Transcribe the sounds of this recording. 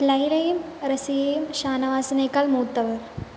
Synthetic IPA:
lɐjlɐjumɾɐsijɐjumʃaːnɐʋaːsɐnekɐlmuːt̪ːɐʋɐɾ

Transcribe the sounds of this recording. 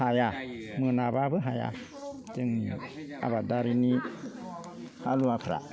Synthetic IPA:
hajamənababɨɦaja̰ | d͡ʒeŋa̰badaɾini | haluapɾa̰

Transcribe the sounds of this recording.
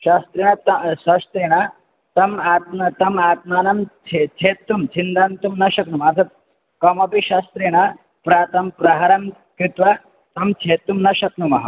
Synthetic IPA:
ʃaːst̪ɾeːɳ̃ɐt̪ɐsɐst̪ɾeːɽ̃a | t̪ɐmaːt̪̚nɐt̪ɐmaːt̪maːnɐmt͡ʃʰet͡ʃʰeːt̪ːumt͡ʃʰind̪ant̪umnɐʃɐknumɐɾt̪ʰɐ | kɐmɐpiʃaːst̪ɾeːɽ̃ɐ | pɾaːt̪ɐmpɾaɦaɾɐm | kɾit̪ʋɐ | t̪ɐmt͡ʃʰeːt̪ːumnɐʃɐknumɐɦɐ̰

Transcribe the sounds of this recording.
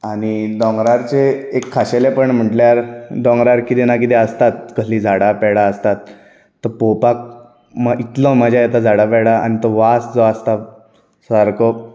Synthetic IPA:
añid̪ɔ̃ŋɡɾaɾt͡seekʰːaɕelepəɳm̤əʈljaɾd̪ɔ̃ŋɡɾaɾkit̪enak̬it̪ɛ̃əst̪at̪̚kəslid͡zʱaɽapɛɽaəst̪at̪ː | əɾpopak̚ | mait̪lɔ̃məd͡ʑʱjajɛt̪ad͡zʱaɽapɛɽaa̰ñit̪ɔʋasd͡zɔast̪a | saɾkɔ

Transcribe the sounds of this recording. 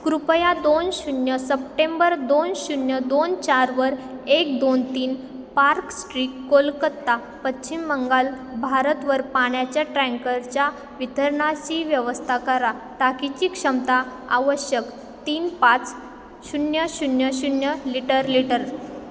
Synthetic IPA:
kɾupəjad̪onɕunjəsəp̚ʈẽmbəɾd̪onɕunjəd̪ont͡ɕaɾʋəɾek̚d̪ont̪iːn | paɾksʈɾiːkːolkət̪ːa | pətt͡ɕimːəŋɡal | bʱaɾət̪ʋəɾpaɳjat͡ɕjaʈɾɛ̃ŋkəɾt͡ɕja | ʋit̪əɾɳaɕiʋjəʋəst̪ʰakəɾa | t̪akit͡ɕiːkʂəmt̪a | a̰ʋəɕjək | t̪iːnpat͡s | ɕunjəɕunjəɕunjəliʈəɾliʈəɾ

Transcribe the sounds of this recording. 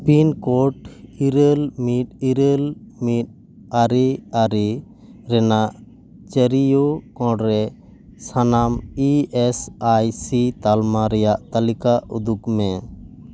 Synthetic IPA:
pinkɔʈiɾəlmit̪̚iɾəlmit̪̚ | aɾiaɾi | ɾɛnaʔ | t͡ʃəɾijokɔ̃ɖɾɛ | sanamiɛsajsit̪almaɾɛjaʔt̪alikaud̪ukmɛ

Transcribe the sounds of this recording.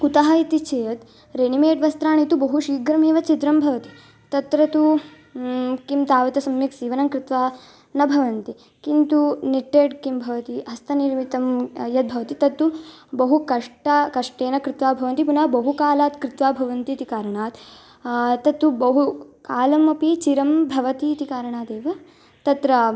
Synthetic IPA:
kut̪ɐɦɐit̪it͡ʃʰejɐt̪ | ɾenimeːʈʋɐst̪ɾaːɽ̃it̪ubɐɦuʃiːɡɾɐmeːʋɐt͡ʃit̪ɾɐmbʱɐʋɐt̪i̥ | t̪ɐt̪ɾɐt̪u | kimt̪aːʋɐt̪ɐsɐmniksiːʋɐnɐmkɾit̪ʋaː | nɐbʱɐʋɐnt̪i | kint̪uniʈːeːʈkimbʱɐʋɐt̪iɐst̪ɐniɾmit̪ɐmjɐt̪̚bʱɐʋɐt̪it̪ɐt̪ːubɐɦukɐʂʈɐkɐʂʈeːnɐkɾɪt̪ʋaːbʱɐʋɐnt̪ipunɐːbɐɦukaːlaːt̪kɾɪt̪ʋaːbʱɐʋɐnt̪it̪ikaːɾɐɳaːt̪ | t̪ɐt̪ːubɐɦukaːlɐmɐpit͡ʃiɾɐmbʱɐʋɐt̪iːt̪ikaːɾɐɳaːt̪eːʋɐ | t̪ɐt̪ɾɐ

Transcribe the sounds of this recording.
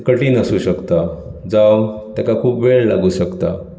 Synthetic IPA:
kəʈinəsuɕəkt̪ad͡zawt̪jakakʰuːpbeɭla̰ɡuɕəkt̪a̰

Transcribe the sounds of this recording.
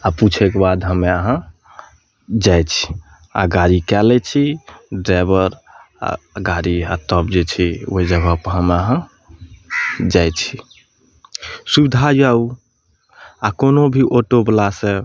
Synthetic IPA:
aput͡ʃʰɛkebad̪ɦəmeaɦə̃ | d͡ʒajt͡ʃʰi̥ | a̰ɡaɾikɛlɛt͡ʃʰiɖɾabəɾa̰ɡaɾia̰t̪əbd͡ʒet͡ʃʰioid͡ʒəɡʱəpəɦəmeəɦə̃ | d͡ʒajt͡ʃʰi̥ | subid̪ʱajau | akonobʱiʔoʈoblasẽ

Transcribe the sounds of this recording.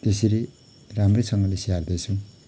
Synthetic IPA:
t̪esiɾe | ɾamresʌŋɡʌlesiard̪ejt͡sʰũ

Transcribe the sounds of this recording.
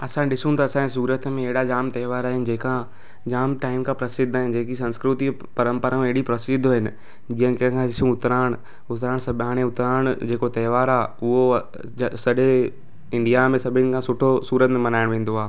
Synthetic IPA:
ɐsãɗɪsũnt̪aɐsãẽs̬uːɾət̪mẽeɦɽad͡ʒaːmt̪ɛːʋaːɾaːɦɪnɪ̆d͡ʑeːkã | d͡ʑaːmʈaːɪmkãpɾɐsɪd̪ʱaːɦɪnd͡ʑeːkisɐ̃nskɾʊt̪i | pɐɾə̃mpəɾaːmẽeɦɪɽipɾɐsɪd̪ʱɦɪnɪ̆ | d͡ʑĩːə̃nkːə̃kʰãɪsũʊt̪ɾaːɽ̃ | ʊt̪ɾaːɽ̃sɐbaːɽ̃ẽʊt̪ɾaːɽ̃d͡ʑeːkot̪ɐːʋaːɾaːʊɦo | sɐɗe | ɪ̃ɳɖijamẽsɐbʱɪnɪkʰãsʊʈʰosuːɾət̪mẽmɐnaːɪɽ̃ʋẽːn̆d̪oɦaː

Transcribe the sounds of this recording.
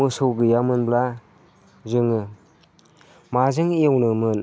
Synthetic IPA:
ɯsɔɡɯjamɯnbla | zɯŋɯ | mazɯŋiewnɯmɯn

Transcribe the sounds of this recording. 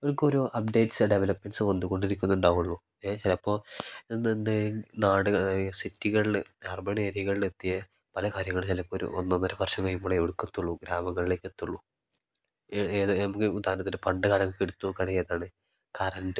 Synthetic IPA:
oɭukːoɾuʔɐp̚ɖe̞jʈsɨɖeʋelɐpmensɨʋɐnːd̪uɣo̞ɳɖiɾikʲːunːuɳɖaːɣuɭːu | eːt͡ɕilɐpːo̞ːnndenaːɽɨɣɐsitːiɣɐɭilɐrbɐɳeːɾiɣɐɭilet̪ːijɐ | pɐlɐkaːɾjɐŋːɐɭt͡ɕilɐpːoːɾṵo̰nːɐnːɐɾɐpɐrʂɐŋːɐɭimːuɭeeʋiɽukːet̪ːuɭːuɡɾaːmɐŋːɐɭile̞ːkːet̪ːuɭːu | eːðnɐmukːeud̪aːɐnɐt̪ːilɨpɐɳɖɨkaːlɐŋːɐɭkːeɽut̪ːukɐɽɐjjɐðaːɳɨ | kɐɾɐɳɖɨ

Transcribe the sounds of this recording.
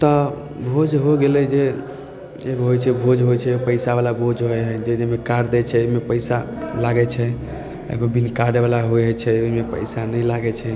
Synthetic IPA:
t̪ɔ | bʱod͡ʒɦoɡelɛd͡ʒe | eɡɦojt͡ʃʰɛbʱod͡ʒɦojt͡ʃʰɛopəɪsabalabʱod͡ʒɦoɛɦɛd͡ʒed͡ʒemekaɾd̪ɛt͡ʃʰɛomepəɪsa | laɡɛt͡ʃʰɛ | ḛɡobinkaɖeβalaɦojɦɛt͡ʃʰɛomepə̰jsanəjlaɡɛt͡ʃʰɛ

